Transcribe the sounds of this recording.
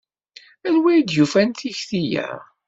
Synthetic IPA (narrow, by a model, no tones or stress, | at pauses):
ælwæjd̪jufænt̪içθijæ̰